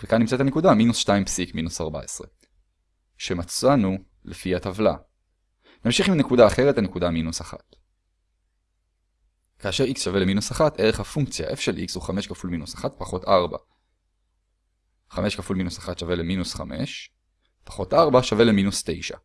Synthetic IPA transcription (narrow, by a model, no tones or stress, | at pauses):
vekanːimt͡sat̪ane̞kudaminusʃtaimpsikminusaʁba̰esʁe̞ | ʃe̞mat͡sanu | lefihatavla̰ | namʃiχimne̞kudaːχe̞ʁetane̞kudaminusaχa̰t | kaːʃe̞ʁiksʃave̞leminusaχateʁe̞χhafuŋkt͡sja̰ʔe̞fʃelʔikshuχame̞ʃkafulminusaχat̚paχo̞taʁba̰ | χame̞ʃkafulminusaχat̪ʃave̞leminusχame̞̰ʃ | pḁχo̞tʔaʁbaʃave̞leminust̪e̞jʃa̰